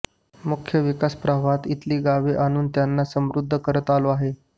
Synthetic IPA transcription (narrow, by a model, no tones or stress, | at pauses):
mukʰjəʋikaspɾaʋat̪it̪liːɡaʋeʔaɽ̃uːnt̪janːasəmɾud̪ʱːəkəɾət̪aloaɦe